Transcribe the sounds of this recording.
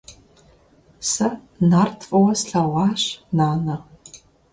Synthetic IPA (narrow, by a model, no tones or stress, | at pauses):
sɐ | nartʰfʼɐwɐsɬɐwɑːʂnaːnɐ